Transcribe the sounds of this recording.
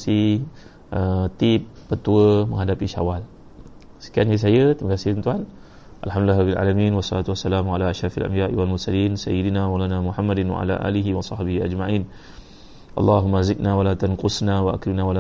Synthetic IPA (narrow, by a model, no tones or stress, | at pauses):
si | ʔət̪ipːət̪uəmə̃ŋɦadapiʃa̰wal | sə̥kians̬ajət̪ɾiməkasɪhənt̪uan | ʔalħamd̪ularabila̰ːlamĩnwɑsˤːɑlat̪uwasːalamalaʔaʃɾˤɑfalʔa̰mbiaʔiwalmʊrsaliːnsa̰jid̪inawalanamuħamːadɪnwa̰ʕa̰la̰ʔa̰ːliɦiwɑsˤɑħbihiʔad͡ʒmaʕiːn | ʔɑ̰lːɑɦumːazɪt̪̚nawalat̪anqʊsnawaʔakɾimnawala